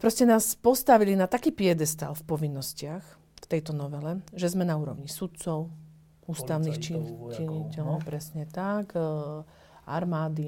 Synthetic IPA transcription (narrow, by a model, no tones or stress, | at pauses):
pɾɔscɛnaːspɔst̪aʋilinat̪akiːpɪɛd̪ɛst̪a̰lfpɔʋinːɔscɪax | ft̪ɛjt̪ɔnɔʋɛlɛʒɛzmɛnauːɾɔ̰ʊɲisut̪̚t͡sɔʊ | uːst̪aʊnixt͡ʃit͡ʃiɲicɛlɔʊpɾɛsɲɛt̪ak | a̰ɾmaːd̪i